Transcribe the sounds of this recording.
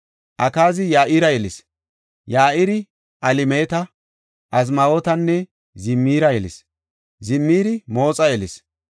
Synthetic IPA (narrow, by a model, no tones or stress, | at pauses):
ʔɐkaːzɪjaːʔɪɾɐjɛlɪs | jaːʔɪɾɪ | ʔɐlɪmeːt̪ɐ | ʔɐzmɐoːt̪ɐnːɛ | zɪmːiːɾɐjɛlɪ̰s | zɪmːiːɾɪmo̞ːt͡sʼɐjɛlɪs